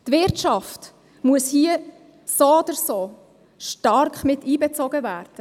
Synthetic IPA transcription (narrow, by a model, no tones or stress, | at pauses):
tvɪɾt͡ʃɑft | muəshiːə | soɔd̪əɾsoː | ʃtɑɾkχmɪtiːbɛt͡sɔɡəvæːɾd̥ə